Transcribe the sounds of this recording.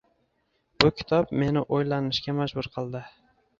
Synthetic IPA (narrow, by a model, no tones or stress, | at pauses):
b̥ʊkʲʰɪ̥t̪ʰɒbme̞nɪʔojlanɪʃkʲamad͡ʒbʊɾqʰɨlˠd̪ɪ